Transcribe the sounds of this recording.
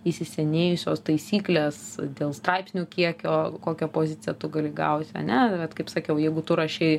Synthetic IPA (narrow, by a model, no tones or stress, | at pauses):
isʲɪsʲɛnʲeːjʊsʲoːst̪ɐɪsʲiːklʲeːsd̪ʲeːlˠst̪ɾɐɪpsʲnʲʊkʲiɛkʲoːkoːkʲɛpoːzʲɪt͡s̪ʲɪjɛt̪ʊɡɐlʲɪɡɐ̰ʊt̪ʲɐ̰nʲɛʋʲɛt̪kɐɪpsɑːkʲɛʊjɛɪɡʊt̪ʊɾɐʃʲɛɪ